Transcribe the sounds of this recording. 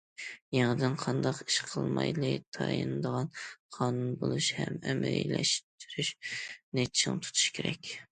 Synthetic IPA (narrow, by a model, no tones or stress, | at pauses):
jeŋɨd̪ɪnqʰɑnd̪ɑqi̥ʃqʰəlˠmɑjlˠɨt̪ʰɑjɨnɨd̪əʁɑnqʰɑːnunbolˠuʃhɛmɛmɪɾlɛʃt̪ʰyɾyʃnet͡ʃʰʃɪŋɨt̪ʰu̥t̪ʰu̥ʃkʲʰeɾɛkʲ